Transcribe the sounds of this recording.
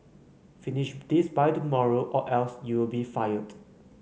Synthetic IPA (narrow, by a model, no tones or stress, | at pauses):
finɪʃdisbajtumɔɹoʔɔʔɛlsjuwɪlbifajəd